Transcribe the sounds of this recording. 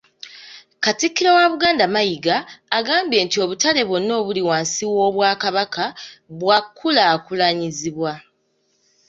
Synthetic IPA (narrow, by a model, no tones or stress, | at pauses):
katikːiɾowaβuɡaːndamajiɡaːɡaːmbje̞ːntio̞βutale̞βo̞nːo̞ːβuliwaːnsiwo̞ːβwaːkaβakaβwakʰːulaːkulaɲiziβwa